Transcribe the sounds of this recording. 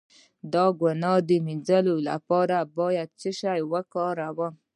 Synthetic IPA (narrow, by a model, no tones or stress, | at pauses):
d̪ɑɡanɑd̪əmind͡zalola̰pɑɾabɑjad̪̚t͡səʃajwəkɑɾawə